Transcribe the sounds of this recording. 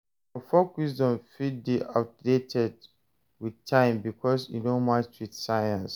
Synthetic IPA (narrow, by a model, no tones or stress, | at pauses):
ɔfokwisdɔ̃nfid̚biʔaʊt̚detʰɛd | wiðtʰãɪ̃mbikʰɔsjḭnomat͡ʃwiθsaɪə̃ns